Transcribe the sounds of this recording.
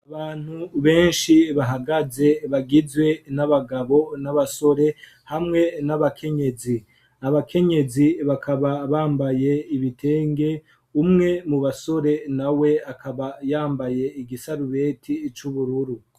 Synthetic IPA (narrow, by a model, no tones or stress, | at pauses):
aβaːn̥huβe̞ːnʃiβaɦaɡaze̞βaɡizwe̞naβaɡaβo̞naβaso̞ɾe̞ | hamŋe̞naβakʰe̞ɲe̞zi | aβakʰe̞ɲe̞ziβakʰaβaβaːmbaje̞iβitʰe̞ːŋɡe̞ | umŋe̞muβaso̞ɾe̞nawe̞akaβajaːmbaje̞iɡisaɾuβe̞tʰit͡ʃuβuɾuɾu